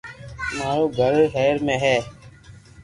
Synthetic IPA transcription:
maːɾoːɡʱəɾɦɛːɾmẽːɦɛː

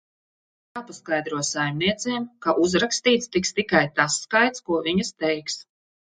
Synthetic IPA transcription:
jaːpaskajd̪ɾuɔsajmniɛt̪seːmkaʔuzɾakst̪iːt̪st̪ikst̪ikajt̪asːkajt̪skuɔviɲɐst̪ɛjks

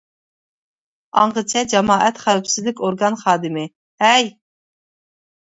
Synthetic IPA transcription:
ɑɴʁət͡ʃʰɛd͡ʒɑmɑːʔɛt̪χæɾpsɪzlɪkʲoɾɡɑnχɑːd̪ɨmɪ | hɛj

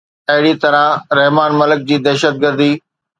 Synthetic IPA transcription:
ɐɦɪɽit̪ɐɾãɾɐɦmaːnmɐlək̚d͡ʑiːd̪ɛːʃət̪̚ɡəɾd̪iː

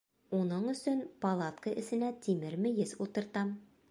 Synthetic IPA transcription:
unɤɴɵ̆sɵnpɐlˠat̪kəʔɘ̆sɘ̆næt̪ʰimɘɾmɘ̆jɘzulˠt̪ɤ̆ɾt̪ɑm

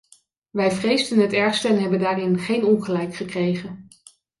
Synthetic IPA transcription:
ʋɛjvrejzdənɦətɛɹχstəɛnɦɛbəndaːrɪnχejnɔnχəlɛjkχəkrejχən

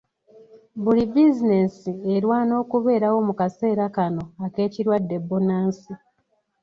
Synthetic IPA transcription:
bulibizine̞sieɾwaːno̞ːkuβe̞ːɾawo̞mukase̞ːɾakano̞ake̞ːciɾwadːe̞bunaːnsi

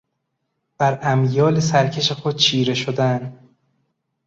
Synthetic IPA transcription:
b̥æɾæmjɒːlesæɾcʰe̞ʃexod̪̥̚t͡ʃʰiːɾe̞ʃod̪æn

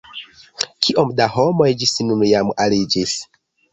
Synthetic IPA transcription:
kʰiʔo̞mdahomojd͡ʒisinunjamalid͡ʒis

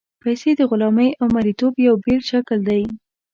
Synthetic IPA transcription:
pajsed̪əɣʊlɑməjʔawmaɾit̪objawbelʃakld̪aj

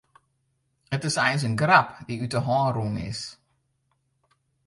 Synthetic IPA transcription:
ətɪsɛjəns̬ənɡrapdiytəɦɑːnrunɪ̰s

